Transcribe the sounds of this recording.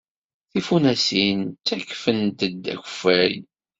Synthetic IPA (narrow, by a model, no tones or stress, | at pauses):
θifunæsint͡sːækːfənt̪əd̪æ̰çə̥fæj